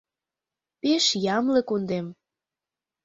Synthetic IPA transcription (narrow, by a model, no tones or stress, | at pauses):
peʃjɑmlɤ̆kund̪em